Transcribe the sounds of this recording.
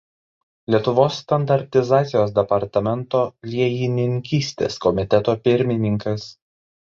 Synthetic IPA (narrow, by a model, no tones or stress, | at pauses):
lʲiɛt̪ʊʋoːsːt̪ɐnd̪ɐɾʲt̪ʲɪzɑːt̪sʲɪjoːs̬d̪ʲɛpɐɾt̪ɐmʲɛnˑt̪oːlʲiɛjɪnʲɪŋʲkʲiːsʲt̪ʲḛːskɔmʲɪt̪ʲɛt̪oːpʲɪɾʲmʲɪnʲɪŋkɐs